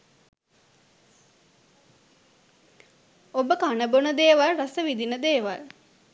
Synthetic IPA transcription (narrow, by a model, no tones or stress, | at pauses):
obəkanəbonəd̪eːʋalrasəʋid̪inəd̪eːʋa̰l